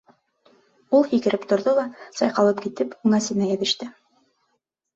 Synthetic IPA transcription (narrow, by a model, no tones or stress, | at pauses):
ulˠhikɘ̆ɾɘpt̪ŏɾðolˠɑsɑjqɑlˠɤp̚kit̪ɘpuŋæsɘ̆næjæ̆ðɘ̆ʃt̪ɘ